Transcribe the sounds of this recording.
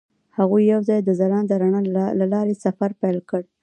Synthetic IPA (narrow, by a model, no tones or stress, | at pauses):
haɣujːawzɑjd̪əzaɾɑnd̪əɾaɳalalɑɾesafaɾpajlkəɽ